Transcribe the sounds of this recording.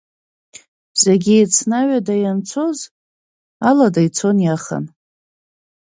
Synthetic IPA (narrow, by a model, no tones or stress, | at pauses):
zeɡʲiejt͡sʰnaɥadajant͡sʰo̞z | aladajt͡sʰo̞njaχa̰n